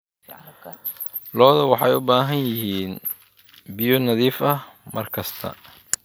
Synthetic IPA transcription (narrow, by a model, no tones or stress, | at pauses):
lɔːðɐwɑħɑjʊbaːɦɐnjɪɦiːn | bɪjɔnɐðiːfɐmɐrkʰɐst̪ʰɐ̰